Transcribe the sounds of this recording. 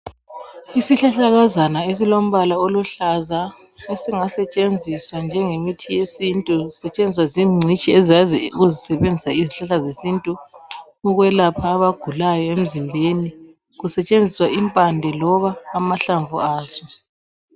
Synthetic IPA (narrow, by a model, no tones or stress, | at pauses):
isiɬaɬaɣazanaes̬ilom̩βalaoluɬaza | esiŋasɛt͡ʃʼend͡zʱiswand͡ʒʱɛŋemitʰijesintʼusɛt͡ʃʼend͡zʱiswaziːŋ͡ǀʱit͡ʃʼiɛzaziuɣuzisɛβend͡zʱisaiziɬaɬazesintʼu | uɣwɛlapʰaːβaɡ̥ʱulajɔem̩zimbʱeni | ɣusɛt͡ʃʼend͡zʱiswaʔimpʼandʱɛlɔβaːmaɬaɱvuaːz̥ɔ